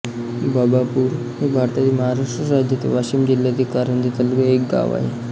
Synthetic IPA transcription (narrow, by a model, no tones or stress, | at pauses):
babapuːɾ | ɦebʱaɾt̪iat̪iːməɦaɾaʂʈɾəɾad͡ʑjət̪ḛʋaɕiːmd͡ʑilːat̪ikaɾəɳd̪ʱet̪əlɡəek̚ɡa̰ʋa̰ɦe